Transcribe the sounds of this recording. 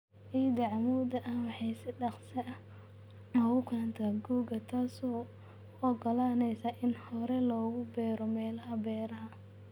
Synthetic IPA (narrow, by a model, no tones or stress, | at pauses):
ʔid̪ɐʕɑmuːd̪ɐʔɐhwɑħɑjsɪɖɑqsɐ | mɔɣʊkʰaːnt̪ʰɐɡuːɡɐt̪ʰaːsɔː | ɔɡɔlaːnɛjsɐʔɪnhɔɾɛlɔːɣʊbɛːɾɔmɛːlɐɦɐbɛːɾɐɦɐ